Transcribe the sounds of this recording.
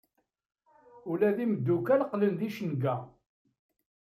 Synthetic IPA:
ʊlæðiməd̪ːukælqlənðiʃənɡæ

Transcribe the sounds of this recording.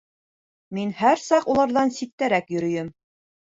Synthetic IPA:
minhæɾsɑqulˠɑɾðɑnsit̪t̪ːæɾækjɵ̆ɾɵ̆jɘm

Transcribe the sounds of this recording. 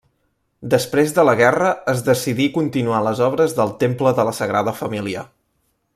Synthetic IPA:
d̪əspɾezðələɣɛrəːzðəsiðikunt̪inualəzɔβɾəzðəlˠt̪empləðələsəɣɾaðəfəmiliə

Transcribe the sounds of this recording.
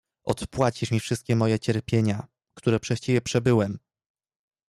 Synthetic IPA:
ʔɔ̰t̪pwat͡ɕiʂmʲifʂɘst̪̚kʲɛmɔjɛt͡ɕɛɾpʲjeɲa | kt̪uɾɛpʂɛɕt͡ɕivʲjɛpʂɛbɘwɛm

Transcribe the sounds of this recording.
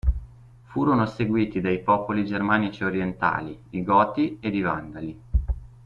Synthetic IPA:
fuːɾonoseɡwiːt̪id̪ajpɔːpolid͡ʒermaːnit͡ʃioɾjent̪a̰ːlidiɡɔːt̪ied̪iva̰nd̪ali

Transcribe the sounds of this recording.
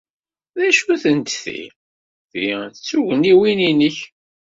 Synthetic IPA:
ðæʃuθənt̪θḭ | θit͡sːuʝəniwininəç

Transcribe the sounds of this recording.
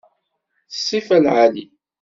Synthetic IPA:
θəsˤːifælʕali

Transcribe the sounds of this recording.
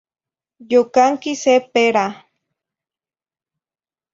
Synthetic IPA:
jokaŋkisepeɾa

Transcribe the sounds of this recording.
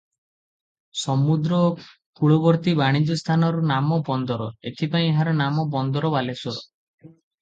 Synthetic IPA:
sɔmud̪ɾɔ | puɽɔbɔɾt̪ibaɽ̃id͡ʒɔst̪ʰanɔɾunamɔbɔnd̪ɔɾɔet̪ʰipaĩɦaɾɔnamɔbɔnd̪ɔɾɔbalesɔɾɔ

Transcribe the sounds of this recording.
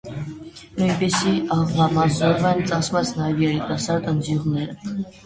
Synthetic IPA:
nujnpɛsiɑʁvɑmɑzɔɾvɛnt͡sɑsʰmɑt͡sʰnɑjɛvjɛɾit̪ɑsɑɾd̪ənd͡z̪juʁnɛɾə

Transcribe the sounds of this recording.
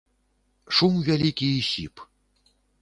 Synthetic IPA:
ʂumvʲælʲikʲijɕip

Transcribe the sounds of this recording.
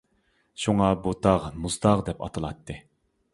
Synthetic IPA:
ʃuŋɑbut̪ʰɑʁmuzd̪ɑʁd̪ɛpɑ̰t̪ʰɨlˠɑt̪ʰːɨ

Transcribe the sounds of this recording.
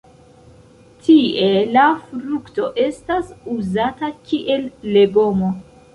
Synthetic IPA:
tʰie̞lafɾukto̞ʔe̞stasuzatakiʔe̞lːe̞ɡo̞mo̞

